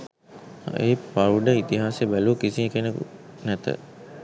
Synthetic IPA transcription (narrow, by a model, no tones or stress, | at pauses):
eːpawɖəit̪iɦaːsebæluːkisikenekṵnæt̪ə̰